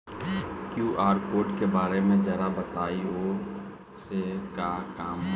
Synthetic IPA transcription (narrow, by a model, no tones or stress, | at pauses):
kjuːʔaːɾkoːɾʈkebaːɾemẽd͡ʒɐɾabɐt̪aːio | sekakaːm